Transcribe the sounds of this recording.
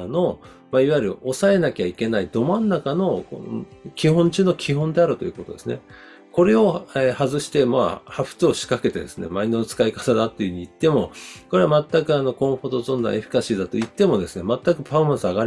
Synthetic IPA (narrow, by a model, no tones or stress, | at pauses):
no̞ | maiβaiɾɯ̟ʔo̞sae̞nakʲeaike̞naid̪o̞mãnːakano̞õ̰kʲiɦõ̞ɲt͡ɕɨːno̞kʲʰiɦõnd̪e̞aɾɯ̟t̪o̞jɯ̟ko̞t̪o̞d̪e̞sɨne̞̰ | ko̞ɾe̞o̞ehazɨɕi̥t̪e̞ma̰haɸɯ̟̥t͡sɨoɕi̥kake̞t̪ed̪e̞sɨne̞̰mainːonot͡sɨ̥kaikḁt̪ad̪at̪ːeiɯɯ̟ɲ̟iit̪ːe̞mo̞ko̞ɾe̞amat̪ːakɯ̟ano̞kõ̞ɰ̃ɸot̪ozõnd̪ã̰eɸɯ̥kaɕiːd̪at̪o̞it̪ːe̞mo̞d̪e̞sɨne̞mat̪ːakɯ̟pʰamãsɨaɡaɾʲ